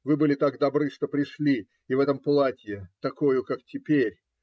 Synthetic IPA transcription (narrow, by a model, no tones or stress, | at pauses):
vɨbɨlʲɪt̪aɡd̪ɐbɾɨʂt̪o̞pɾʲɪʂlʲi | ɪvɛt̪əmplˠatʲjɪt̪ɐko̞jʊkaktʲɪpʲeɾʲ